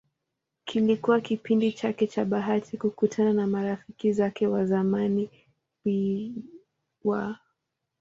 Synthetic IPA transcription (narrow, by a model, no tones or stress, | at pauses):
kʰilikuwakipindit͡ʃakɛt͡ʃaɓaɦatʰikukutʰananamaɾafikizakɛwazamani | wi | wa